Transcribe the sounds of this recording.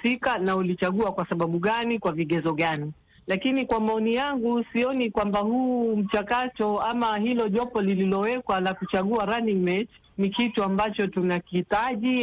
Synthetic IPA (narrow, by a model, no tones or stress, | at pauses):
sikanaulit͡ʃaɠuakwasaɓaɓuɠanikwaviɠɛzɔɠani | lakinikwamaɔnijaŋɡusiɔnikwambahuːm̩t͡ʃakatɔamahilɔʄɔpɔlililɔwɛkwalakut͡ʃaɠuaɾaniŋmɛt͡ʃ | nikituambat͡ʃɔtunakiitaʄi